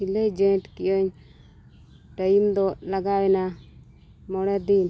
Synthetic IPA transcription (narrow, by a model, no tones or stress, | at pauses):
iled͡ʒɛʈkijɔɲ | ʈajimd̪ɔlaɡawɛna | mɔɽɛd̪in